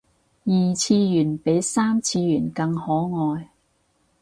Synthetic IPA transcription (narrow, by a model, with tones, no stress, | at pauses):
jiː˨t͡sʰiː˧jyː˨˩npe˨˥jsaː˥mt͡sʰiː˧jyː˨˩nkɐ˧ŋhɔː˨˥ŋɔː˧j